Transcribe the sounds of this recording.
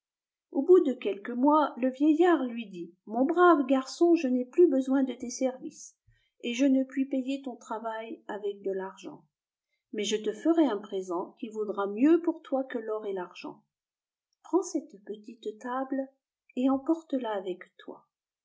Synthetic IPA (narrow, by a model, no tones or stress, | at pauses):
obud̪əkʲɛlkəmwaləvjɛjaʁlɥid̪imɔ̃bʁavɡaʁsɔ̃ʒənɛplybəzwɛ̃d̪ət̪esɛʁvis | eʒənəpɥipejet̪ɔ̃t̪χavajavɛk̚d̪əlaʁʒɑ̰̃ | mɛʒət̪əfəʁɛɛ̃pχezɑ̃kʲivod̪ʁamjøpuʁt̪wakəlɔʁɛlaʁʒɑ̰̃ | pχɑ̃sɛt̪pət̪it̪t̪abl | eɑ̃pɔʁt̪əlaːvɛkt̪wa̰